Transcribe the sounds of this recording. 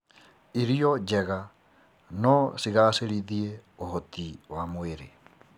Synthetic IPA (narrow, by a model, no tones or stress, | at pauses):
iɾiɔd͡ʒɛɣa | nɔsiɣaseɾiðieoɦɔtiwamoeɾḛ